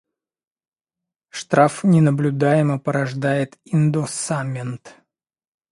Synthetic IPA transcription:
ʂt̪ɾafnʲɪnəblʲʊd̪ajɪməpəɾɐʐd̪ajɪt̪ɪnd̪osamʲɪnt̪

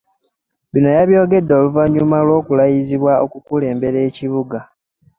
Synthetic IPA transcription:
βino̞jaβjo̞ːɡe̞dːo̞ːluvaɲumalwo̞ːkulajiziβwao̰kukule̞ːmbe̞ɾeːciβuɡa

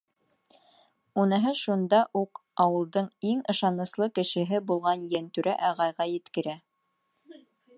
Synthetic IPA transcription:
unɤ̆ɦɤʃund̪ɑʔuqɑwɤ̆lˠd̪ɤɴiŋɤ̆ʃɑnɤ̆slˠɤkɘ̆ʃɘ̆ɦɘbulˠʁɑnjænt̪ʉɾʔæʔɑʁɑjʁɑjɘ̆t̪kɘ̆ɾæ

